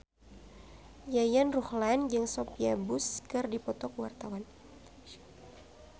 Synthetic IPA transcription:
jajanruhland͡ʒɨŋsɔpiabuskɨrdipɔt̪ɔkwa̰rt̪awan

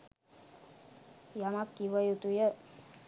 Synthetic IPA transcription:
jamakːiʋəjut̪ujə

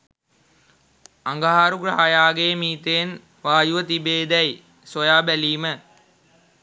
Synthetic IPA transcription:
aŋɡaɦaːɾuɡɾaɦajaːɡeːmiːt̪en | ʋaːjuʋət̪ibeːd̪ɛj | sojaːbæliːmə

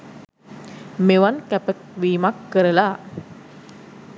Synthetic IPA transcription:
meʋankæpəkʋiːmakːəɾəla

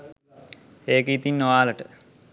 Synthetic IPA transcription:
eːkəit̪inːoʋaːləʈə

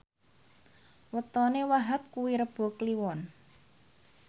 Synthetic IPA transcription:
wət̪ɔnewaɦap̚kuwiɾəb̥o̤kliwɔn

